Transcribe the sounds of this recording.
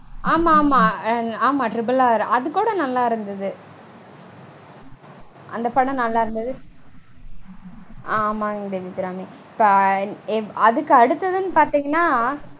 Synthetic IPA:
aːmaːmaːaːmaːʈɾɪbɯlaːɾʔɐðɯkːuːɽɐnɐlːaːɪɾɯnd̪ɐðɯ | ʔɐ̰nd̪ɐpɐɽɐ̃nɐlːaːɪɾɯnd̪ɐðɯ | aːmaːd̪eʋid̪ɾaːmi | ɪpːɐ | ɐðɯkːɯɐɽɯt̪ːɐðɯnːɯpaːɾt̪iːŋɡɐnːaː

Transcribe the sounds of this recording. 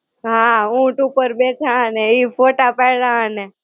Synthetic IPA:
ɦãũʈupəɾbet͡ʃʰãəneifoʈapajɭãəne

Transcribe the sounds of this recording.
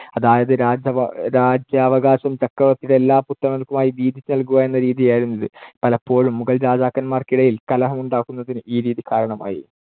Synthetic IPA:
ɐðaːjɐðɨɾaːd͡ʑɐʋɐɾaːd͡ʑjɐːʋɐɡaːɕɐmt͡ɕɐkːɐʋɐt̪ːiɽe̞lːaːput̪ːrɐmɐlkːumaːjid̪iːd̪ʱit͡ɕːɨnɐlkuɣaːje̞nːɐɾiːðijaːjiɾunːɐðɨpɐlɐpːo̞ːɻumːuɣɐlɾaːd͡ʑaːkːɐnmaːrkiɽɐjilkɐlɐɦɐmuɳɖaːkːunːɐðinɨʔiːɾiːðikaːɾɐɳɐma̰ːjḭ

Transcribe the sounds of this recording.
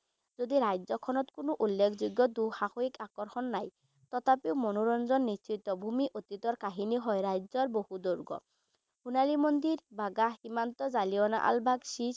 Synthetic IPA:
zod̪iɾajzɔkʰɔnɔt̪kunoʔulːekʰzuɡːɔd̪uxaxoikakɔɹxɔnːaj | t̪ɔt̪ʰapewmonuɾɔnzɔnːisit̪ɔbʱumiʔot̪it̪ɔɹkaɦiniɦɔjɾajzɔɹbohud̪oɹɡɔ̰ | hunalimond̪iɹbaɡaximant̪ɔzaliɔna̰ʔa̰lbʱaɡsi

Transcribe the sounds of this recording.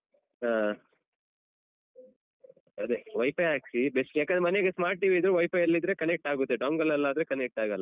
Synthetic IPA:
a | ɐd̪eʋɐjpɐjaːksibesʈjaːkend̪ɾemɐneɡesmaːɾʈ̚ʈːiːʋid̪ɾuʋɐjpɐjɐlːid̪ɾekɐnek̚ʈaːɡut̪ːeɖaːŋɡɐlːɐlːaːd̪ɾekɐnek̚ʈaːɡɐlːa

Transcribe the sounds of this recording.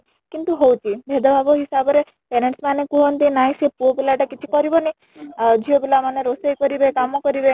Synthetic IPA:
kint̪uɦowt͡ʃʰibʱed̪ɔbʱabɔɦisabɔɾe | penensmanekuɦɔnt̪inaj̃sepuobilaʈakit͡ʃʰikɔɾibɔne | d͡ʒʱiobilamaneɾosejkɔɾibekamɔkɔɾibe

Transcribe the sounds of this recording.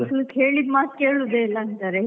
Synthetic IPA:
ɐsɐlukːeːɭid̪maːt̪̚keːɭud̪eilːaɐnt̪aːɾe

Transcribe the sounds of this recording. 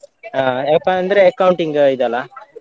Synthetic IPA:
ɦaːpaɐnd̪ɐɾeːkːɐwuɳʈiŋɡid̪ɐlːa

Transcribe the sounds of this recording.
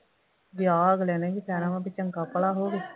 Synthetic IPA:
ʋjaːɡlɛːnɛ̃ːkɪsɛːnãːmãːbɪt͡ʃəŋkaːpəlaːɦoːɡeː

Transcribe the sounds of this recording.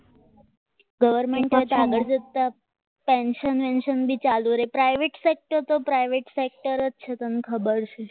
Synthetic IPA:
ɡəʋəɾmeɳʈet̪aɡəɽd͡ʑet̪ːa | pẽnʃənʋenʃənbʱit͡ɕaluɾepɾajʋeʈsek̚ʈəɾt̪opɾajʋeʈsek̚ʈəɾətːʃʰet̪ənkʰəbəɾt͡ɕʰe

